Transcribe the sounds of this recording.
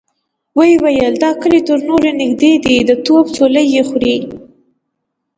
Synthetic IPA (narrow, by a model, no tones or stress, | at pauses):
wəjwajəld̪ɑkəlet̪əɾnoɾenɪɡd̪ed̪id̪ət̪obt͡soləjexɾi